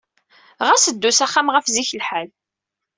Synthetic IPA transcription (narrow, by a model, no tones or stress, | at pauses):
ʁæsəd̪ːusæχːamʁəfziçəlħal